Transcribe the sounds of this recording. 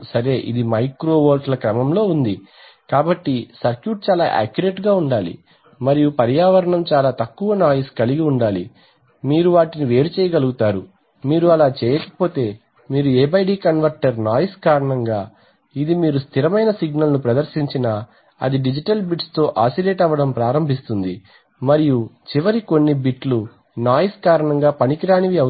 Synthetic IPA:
sɐɾe̞ːʔḭd̪imɐjkɾo̞ːʋoːlʈlɐkɾɐmɐmlo̞ːund̪i | kaːbɐʈːisɐɾkjuːʈ̚t͡ʃaːla̰ːʔa̰ːkjuɾe̞ːʈɡaːuɳɖaːlḭ | mɐɾijupɐɾjaːʋɐɾɐɳɐmt͡ʃaːlaːt̪ɐkːuʋɐnaːjskɐliɡiuɳɖaːli | miːɾuʋaːʈiniʋe̞ːɾut͡ʃɛːjɐɡɐluɡut̪aːɾu | miːɾuɐlaːt͡ʃɛːjɐkɐ̥po̞ːt̪e̞ː | miːɾueːbɐjɖiːkɐnʋɐɾʈɐɾnaːjɐskaːɾɐɳɐŋɡaː | id̪imiːɾust̪ʰiɾɐmɐjnɐsiɡnɐlnupɾɐd̪ɐɾʃiɲt͡ʃinɐ | ɐ̰d̪iɖid͡ʒiʈɐlbiʈst̪o̞ːʔaːsileːʈɐʋːɐɽɐmpɾaːɾɐmbʱist̪und̪i | mɐɾijut͡ʃiʋɐɾiko̞nːibiʈlu | naːjiskaːɾɐɳɐŋɡaːpɐnikiɾaːniʋiɐ

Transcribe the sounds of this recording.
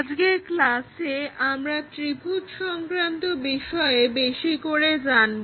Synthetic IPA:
d͡ʑɡeklaseamɾat̪ɾibʱutʃɔŋkɾant̪obiʃɔebeʃikoɾed͡ʑanb

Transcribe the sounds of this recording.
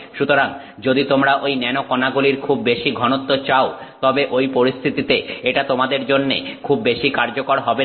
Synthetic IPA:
ʃut̪oɾaŋ | d͡ʑod̪it̪omɾaʔojnɛnokɔnaɡuliɾkʰubːeʃiɡʱɔnot̪ːot͡ɕao | t̪ɔbeʔojpoɾist̪ʰit̪it̪eeʈat̪omad̪eɾd͡ʑonːḛkʰubːeʃikaɾd͡ʑokoɾɦɔbe

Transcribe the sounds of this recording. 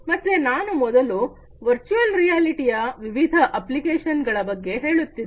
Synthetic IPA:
mɐt̪ːʋenaːnumɔd̪ɐlu | ʋɐɾt͡ʃuɐlɾijaːliʈijɐʋiʋid̪ʱɐʔɐplikeːʃɐnɡɐɭɐbɐɡːe̞ɦe̞ːɭut̪ːi

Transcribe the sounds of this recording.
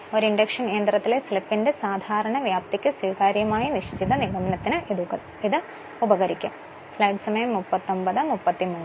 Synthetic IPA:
o̞ɾiɳɖɐkʂɐnkeːnd̪rɐt̪ːile̞slipːindesaːd̪ʱaːɾɐɳɐʋjaːp̚t̪ikʲːɨswiːkaːɾjɐmaːjiniʂt͡ɕiðɐniɣɐmɐnɐt̪ːinɨu | iðɨ | ubɐɣɐɾikʲːum | flɐjɖsɐmɐjɐmːupːɐt̪ːo̞mbɐðɨmupːɐt̪ːimuː

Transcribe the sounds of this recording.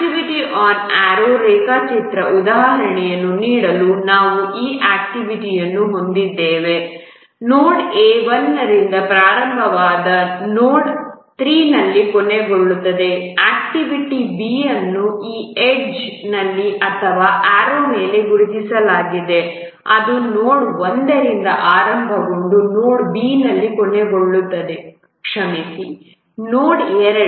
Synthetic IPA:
ʈiʋiʈiʔaːnaːɾoːɾɛːkaːkt͡ʃit̪ɾɐʔud̪aːɦɦɐɾɐɳɛjɐnːuniːɽɐlunaːʋuʔiːʔaːk̚ʈiʋiʈijɐnːuɦo̞nd̪id̪ːeːʋe̞ | noːɖeːʋɐnːɐɾind̪ɐpɾaːɾɐmbʱɐʋaːd̪ɐnoːɖt̪ɾiːnɐlːikɔne̞ɡoɭːut̪ːɐd̪e̞aːkʈiʋiʈibiːɐnːuiːeɖd͡ʒnɐlːiʔɐt̪ʰɐʋaːʔaːɾoːme̞ːle̞ɡuɾud̪isɐlaːɡid̪e̞ | ɐ̰d̪unoːɽond̪ɐɾind̪ɐʔaːɾɐmbʱɐɡo̞ɳɖunoːɽbiːnɐlːikɔɳe̞ɡo̞ɭːut̪ːɐd̪e̞ | kʂɐmesi | noːɖeːɾɐ

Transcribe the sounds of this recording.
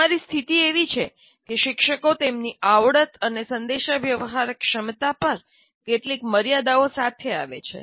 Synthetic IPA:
aɾist̪ʰit̪ieʋit͡ʃʰe | keʃɪkʃəkot̪emniʔaʋɽət̪ənesənd̪eʃaʋjəʋɦaɾkʃəmt̪apəɾ | keʈlikməɾjad̪aosat̪ʰea̰ʋḛt͡ʃʰḛ

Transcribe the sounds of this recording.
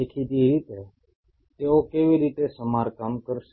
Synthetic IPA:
ekʰid̪iɾiːt̪e | t̪eokeːʋiɾiːt̪esəmaːɾkamkəɾʃ

